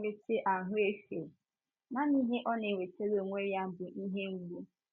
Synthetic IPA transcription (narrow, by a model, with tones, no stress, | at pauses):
e˦te˦ʔa˨ɦʊ˦e˦fe˨ | na˦ni˦ɦe˦ʔɔ˦ne˨wʷe˨te˦ɾo˨ŋʷe˦ja˦m̩˨bʊ˨ʔi˦ɦe˦ŋ̩˦ɡ͡bu˦